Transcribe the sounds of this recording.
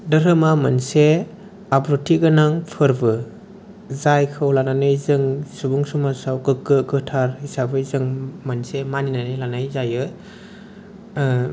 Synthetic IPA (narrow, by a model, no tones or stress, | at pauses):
dɐɾɯmamanse | abɾutʰiɡɯnaŋpʰɯɾbɯ | zajkʰɯwlananɯjzɯŋsubuŋsumasawkɯkːɯɡɯtʰaɾhisabɯzɯŋmansemaninanɯlanajzajɯ